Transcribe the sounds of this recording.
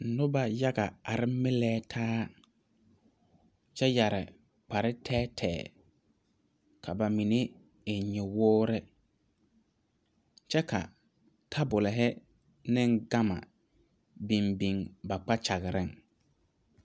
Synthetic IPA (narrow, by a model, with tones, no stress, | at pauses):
nʊ˦ba˦ja˦ɡa˨a˨ɾɪ˦mɪ˦lɛː˦tʰaː˦ | t͡ʃɛ˦ja˨ɾɪ˨ | k͡pa˨ɾɪ˦tʰɛː˦tʰɛ̰ː˨ | kʰa˨ba˨mi˨ne˦ | ɪ˨ɲɪ˨wʊː˦ɾɛ˦ | t͡ʃɛ˦kʰa̰˨ | tʰa˦bʊ˨lɛ˨ɦɪ˦ | nɪ˦ŋɡa˦ma̰˨ | bi˨mbi˨ŋba˨k͡pa˦t͡ʃa˨ɣɪ˨ɾɪ˦ŋ